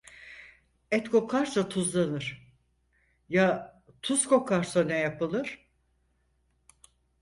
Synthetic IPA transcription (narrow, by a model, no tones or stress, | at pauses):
ɛt̪kʰo̞kʰaɾsat̪ʰuzlˠanɯɾ̥ | ja | t̪ʰuz̥kʰo̞kʰaɾsanɛjapɯlˠɯɾ̥